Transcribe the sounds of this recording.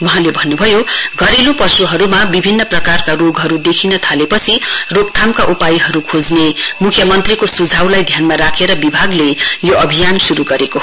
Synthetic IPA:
wʌɦãlebʱʌnːubʱʌjoɡʌɾelopʌsuɦʌɾumabibʱinːʌprʌkarkaroɡɦʌɾud̪ekʰinʌt̪ʰalepʌt͡sʰirok̚t̪ʰamkaʔupajiɦʌɾukʰod͡znemukʰjʌmʌnt̪rikosud͡zʱawlajd̪ʱjanmaɾakʰeɾʌbibʱaɡlejoʌbʱijansuɾuɡʌɾeko

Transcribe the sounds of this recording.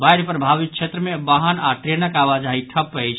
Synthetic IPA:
bajɾpəɾbʱabit̪̚t͡ʃʰet̪ɾəmebaɦənaʈɾenəkaβad͡ʒaɦiʈʰəpəjt͡ʃʰ

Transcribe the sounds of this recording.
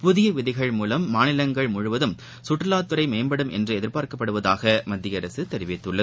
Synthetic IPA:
pʊðɪjɐʋɪðɪɣɐɭmuːlɐmːaːnɪlɐŋɡɐɭmʊɻʊʋɐðɯm | sʊʈːrɐlaːt̪ːɯɾɐɪmeːmbɐɽɯmʔɛ̰ndrɯɛðɪɾpaːɾkɐpːɐɽɯʋɐðaːɣɐmɐd̪ːɪjɐɾɐsɯt̪ɛɾɪʋɪt̪ːɯɭːɐð

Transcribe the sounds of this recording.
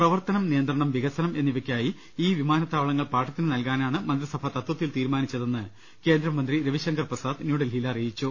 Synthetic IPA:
prɐʋɐrt̪ɐnɐmnijɐnd̪rɐɳɐmʋiɣɐsɐnɐme̞nːiʋɐkʲːaːji | iːʋimaːnɐt̪ːaːʋɐɭɐŋːɐɭpaːʈːɐt̪ːinɨnɐlkaːnaːɳɨmɐnd̪risɐbʱɐt̪ɐt̪wɐt̪ːilt̪iːɾmaːnit͡ɕːɐðe̞nːɨ | ke̞ːnd̪ɾɐmɐnd̪riɾɐʋiɕɐŋɡɐrpɐsaːd̪njuːɽɐlɦilɐːrijit͡ɕːu

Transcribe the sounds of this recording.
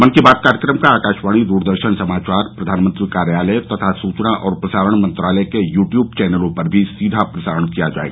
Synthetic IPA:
ʋɐnkibaːt̪̚kaːɾjəkɾəmkaaːkaːʃʋaːɽ̃id̪uːɾd̪əɾʃənsɐmaːt͡ʃaːɾpɾɐd̪ʱaːnmə̃nt̪ɾikaːɾjaːlɛt̪ɐt̪ʰasuːt͡ʃnaʔʔɔːɾpɾɐsaːɾəɽ̃mɐ̃nt̪ɾaːlɛkejuːʈjuːb̚t͡ʃɛːnəlõpɐɾbʱisiːd̪ʱapɾɐsaːɾəɽ̃kijad͡ʒa̰ːḛɡaː

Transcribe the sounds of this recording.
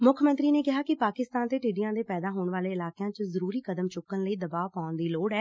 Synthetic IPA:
mʊkʰmə̃nt̪ɾiːneːkɪɦaːkɪpaːkɪst̪aːnt̪eːʈɪɖijãːd̪eːpɛːd̪aːɦoːɳʋaːleːɪlaːkjãːt͡ʃəzəɾuːɾiːkəd̪əmt͡ʃʊkːənləiːd̪əbaːpaːʊnd̪iːloːɽɛː

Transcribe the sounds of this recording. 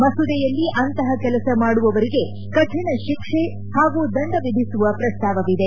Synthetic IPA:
mɐsud̪ɛjɐlːiʔɐnt̪ɐɦɐkɛlɐsɐmaːɽuʋɐʋɐɾiɡe̞ | kɐʈʰiɳɐʃikʂe | haːɡud̪ɐɳɖɐʋid̪ʱisuʋɐpɾɐst̪ʰaːʋɐʋid̪e̞

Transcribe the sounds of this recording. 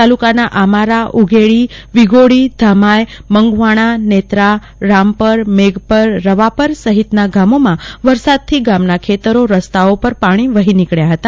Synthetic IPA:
t̪alukanaʔamaɾaʔuɡʱeɭiʋiɡoɽid̪ʱamajməŋɡʋaɽ̃anet̪ɾa | ɾampəɾmeɡpəɾːəʋapəɾsəɦit̪naɡamomãʋəɾsad̪̚t̪ʰiɡamnakʰet̪əɾoɾəst̪aopəɾpaɽ̃iʋəɦinikɭjaɦət̪a

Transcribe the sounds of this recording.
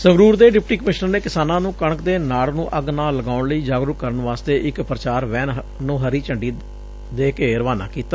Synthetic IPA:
səɡɾuːɾd̪eːɖɪp̚ʈiːkəmɪʃnəɾneːkɪsaːnãːnũːkəɳkd̪eːnaːɽnũːʔəɡnaːlːəɡaːʊɳləiːd͡ʒaːɡɾʊkəɾəɳʋaːst̪eːʔɪkpɾət͡ʃaːɾʋɛːn | nũːɦəɾiːt͡ʃəɳɖiː | d̪eːkeːɾəʋaːna̰ːkiːt̪aː

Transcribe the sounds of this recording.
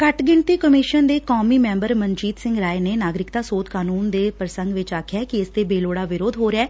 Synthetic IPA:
kəʈɡɪɳt̪iːkəmɪʃənd̪eːkɔːmiːmɛ̃ːmbəɾməɲd͡ʒiːt̪sɪ̃ŋɡɾaːeneːnaːɡɾɪkt̪aːsoːt̪kaːnuːnd̪eːpɾəsə̃ŋɡʋɪt͡ʃaːkʰɪjaːkiɪst̪eːbeːloːɽaːʋɪɾoːd̪ɦoːɾɪaː

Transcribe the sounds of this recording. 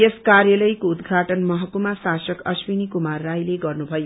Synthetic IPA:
eskarjʌlʌjkoud̪ɡʱaʈʌnmʌɦʌkumasasʌkʌswinikumarːajleɡʌrnubʱʌjo

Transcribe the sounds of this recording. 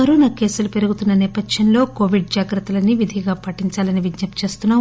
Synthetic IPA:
ɐɾoːnɐke̞ːsulupe̞ɾuɡut̪unːɐnɛːpɐdʃɐnlo̞ːko̞ːʋiɖ̚d͡ʒaːɡɾɐt̪ːulɐnːiʋid̪ʱiɡaːpɐʈːiɲt͡ʃaːlɐniʋid̪nɐpt͡ʃe̞ːst̪unːaː

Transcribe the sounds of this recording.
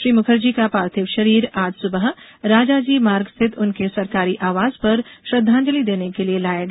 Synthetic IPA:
ʃɾiːmʊkʰəɾd͡ʒikapaːɾt̪ʰɪʋʃɐɾiːɾaːd͡ʒ̪sʊbəɦ | ɾaːd͡ʒaːd͡ʒiːmaːɾɡst̪ʰɪt̪ʰʊnkesɐɾkaːɾiʔaːʋaːzpɐɾʃɾɐd̪ʱːãːnd͡ʒəlid̪eːnekelielaːjaɡ

